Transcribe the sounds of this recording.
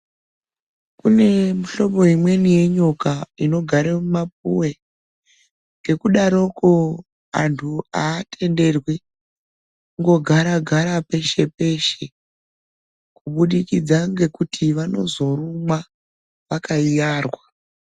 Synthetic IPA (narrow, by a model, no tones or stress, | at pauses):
kune̞muɬo̞po̞imwe̞nije̞ɲokaino̞ɡʱaɾemumapuwe̞ | ŋɡe̞kuɗaɾo̞ko | a̰ntʰuaːtʰe̞nde̞rwi | kuŋɡo̞ɡʱaɾaɡʱaɾape̞ʃe̞pe̞ʃe̞ | kuɓuɗikid͡zaŋɡe̞kutʰiʋano̞zo̞rumwa | ʋakaijaːrwa